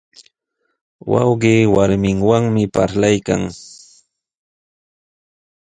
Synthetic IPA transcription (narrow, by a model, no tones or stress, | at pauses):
wɑ̰wɢiːwaɾmɪŋwaŋmɪpaɾlajka̰ŋ